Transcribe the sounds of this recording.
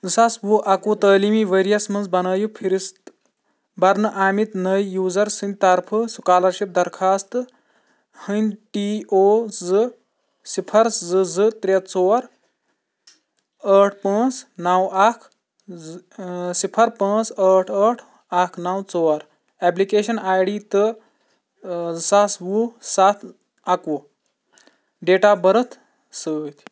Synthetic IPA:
sɐsbuʔɐkuːt̪əːlimiʋəɾijɐsmɐnzbɐnɐːjupʰiɾist̪ | bɐɾnɨʔaːmit̪nəjːuːzɐɾsɨnʲt̪ɐɾpʰɨsukaːlɐɾʃip̚d̪ɐɾkʰaːst̪ | hɨnʲʈiʔoːzɨ | sipʰɐɾszɨzɨt̪ɾʲet̪t͡soːɾ | əʈʰpə̃t͡snawakʰ | sipʰɐɾpə̃t͡səʈʰəʈʰ | akʰnawt͡sɔɐɾ | ɛp̬likeɕɐnajɽit̪ə | sasʋusat̪ʰ | ako | ɖeːʈabəɾət̪ʰ | sət̪ʲ

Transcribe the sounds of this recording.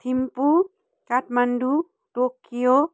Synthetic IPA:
t̪ʰimpu | kaʈʰmɐnɖu | ʈokːijo

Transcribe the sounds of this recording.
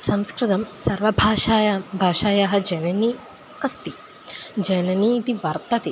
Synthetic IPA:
sɐmskɾɪt̪ɐmsɐɾʋɐbʱaːʃaːjabʱaːʃaːjaɦɐ̆d͡ʒɐnɐni | ɐst̪i | d͡ʒɐnɐniːt̪iʋɐɾt̪ɐt̪i

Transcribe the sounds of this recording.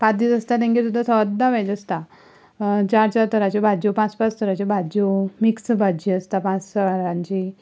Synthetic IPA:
pãt̪d̪it͡səst̪at̪̬ɛ̃ŋket̪ud̪ʱasəd̪ːaʋɛd͡ʑəst̪a | t͡ɕaɾt͡ɕat̪əɾat͡ɕibʱad͡ʑopãt͡spat͡st̪ʰəɾat͡ɕibʱad͡ʑomiksbʱad͡ʑiəst̪apãt͡səɾãɲt͡ɕi

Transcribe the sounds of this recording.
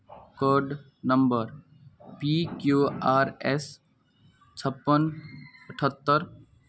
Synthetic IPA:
kəɾɖ | nəmbəɾ | pikjuaːɾes | t͡ʃʰəpːənəʈʰət̪ːəɾ

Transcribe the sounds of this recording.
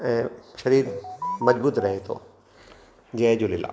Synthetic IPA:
ɛ̃ːʃɐɾiːɾmɐd͡ʑbuːt̪ɾɐɦet̪ʰo̰ː | d͡ʑɐd͡ʑoːlɪla̰ː

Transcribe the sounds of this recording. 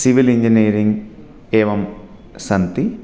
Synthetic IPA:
siʋiliɲd͡ʒiniːɐɾiŋɡ | eːʋɐm | sɐnt̪i

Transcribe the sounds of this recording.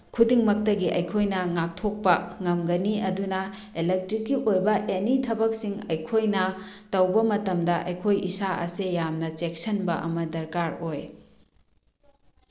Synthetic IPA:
kʰudiŋmɐk̚tɐɡiʔɐjkʰojnɐŋak̚tʰok̚pɐŋɐmɡɐniɐdunɐ | elek̚tɾikːiʔojbɐʔenitʰɐbɐk̚siŋɐjkʰojnɐ | tɐwbɐmɐtɐmdɐʔɐjkʰojisaʔɐ̰sejamnɐt͡ʃek̚sɐnbɐʔɐ̰mɐdɐɾkaɾoj

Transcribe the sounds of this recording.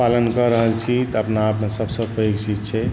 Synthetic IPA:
palənkəɾəɦəlt͡ʃʰit̪əpnaːpnesəbsəbpəjoɡsit̪̚t͡ʃʰɛ

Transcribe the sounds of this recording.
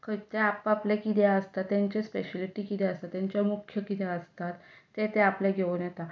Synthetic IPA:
kət̪eapaplekid̪jaəst̪at̪ːjãɲt͡ɕespeɕeliʈikit̪ɛəst̪at̪ːjãɲt͡ɕjamukʰjəkid̪jaəst̪at̪ːet̪eaplɛɡʱeuːnjɛt̪a

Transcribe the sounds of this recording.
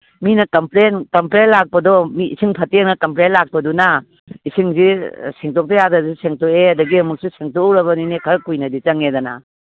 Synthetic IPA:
minɐkɐmpɾenkɐmplenlak̚pɐdɔmḭːsiŋpʰɐtenɐkɐmpɾenlak̚pɐduna | isiŋzisiŋtok̚tɐjadɐsiseŋtoeɐdɐɡiɐmuk̚siseŋtoɾɐβɐninekʰɐɾɐkːujnɐdit͡ʃɐŋedɐna̰

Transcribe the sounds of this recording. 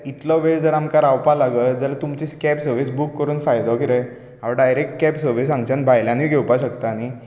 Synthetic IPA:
it̪lɔʋed͡zəɾamkaɾawpalaɡət̪d͡zəlat̪umt͡ɕiːskɛpsəɾʋisbukːəɾuːnfajd̪ɔkiɾəj | ɦaʋaɖajɾek̚ʈ̚kɛpsəɾʋisãŋɡt͡ɕãnbʱajlãniɡʱewpaɕəkt̪aːni

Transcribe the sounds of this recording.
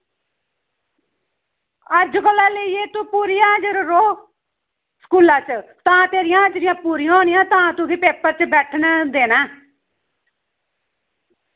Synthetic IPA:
əɾd͡ʒkəlːãːleieːt̪ũːpuːɾiːãːd͡ʒəɾɾoː | sə̥kuːlãːt͡ʃt̪ãːt̪eːɾɪjãːəd͡ʒɾɪjãːpuːɾɪjãoːnɪjãːt̪ãːt̪ũːɡiːpeːpəɾt͡ʃbɛːʈʰnd̪eːnaː

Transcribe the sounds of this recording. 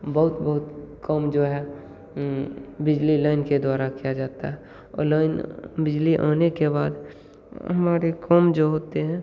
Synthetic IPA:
bɐɦʊt̪bɐɦʊt̪kɔmd͡ʒoːɦɛ | bɪd͡ʒlilaːɪnked̪waːɾakijad͡ʒaːt̪aɦɛ | ɔ̰ːɾlaːɪnbɪd͡ʒliʔa̰ːnekebaːd̪ | ɦɐmaːɾekɔmd͡ʒoːɦoːt̪eɦɛ̃ː

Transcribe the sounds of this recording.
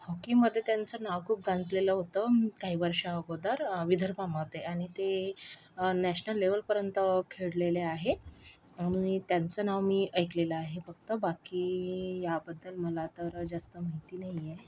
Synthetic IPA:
hɔkiməd̪ʱːjet̪jant͡sənaʋkʰuːp̚ɡãnd͡z̪leləɦot̪əkaɦiːʋəɾʂaəɡod̪aɾʋid̪ʱəɾpaməʋt̪ːeaɽ̃it̪e | næɕnəlːeʋəlpəɾjənt̪əkʰeɽleleaɦe | aɽ̃iit̪jant͡sənaʋmiːʔəjkleləaɦefəɡ̚t̪əbakiːjabəd̪ːəlməlat̪əɾd͡zast̪əmaɦit̪iːnaɦije

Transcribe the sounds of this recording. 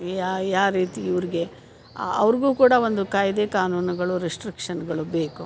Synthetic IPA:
ajaːɾiːt̪iːʋɐɾiɡe̞ | ɐ̰ʋɐɾɡuːkuːɽɐʋo̞nd̪ukaːjid̪e̞ːkaːnuːnuɡɐɭuɾisʈɾikʂɐnɡɐɭube̞ːku

